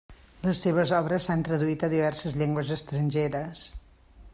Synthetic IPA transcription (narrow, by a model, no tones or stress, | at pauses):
ləsːeβ̞əzɔβɾəsːant̪ɾəðuit̪əðiβ̞ɛrsəzʎɛŋɡwəzəst̪ɾənʲʒeɾəs